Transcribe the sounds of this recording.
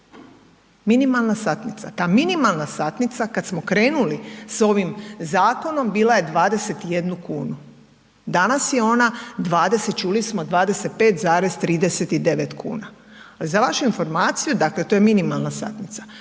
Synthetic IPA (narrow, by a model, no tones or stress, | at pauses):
minimalˠnasat̪nit̪sat̪aːminimalˠnasat̪nit̪sakat̪smo̞kɾe̞ːnuliso̞ʋimzaːko̞no̞mbiːlˠaje̞d̪ʋaːd̪e̞se̞t̪ije̞d̪nukuːnu | d̪anasje̞o̞nad̪ʋaːd̪e̞set̪̚t͡ʃuːlismo̞d̪ʋaːd̪e̞se̞t̪̚pe̞ːt̪zaːɾe̞zt̪ɾiːd̪ese̞t̪id̪e̞ʋe̞t̪kʰṵːnaalizaʋaʃuinfo̞ɾmaːt̪sijud̪akle̞t̪o̞jeminimalˠnasa̰t̪nit̪sḁ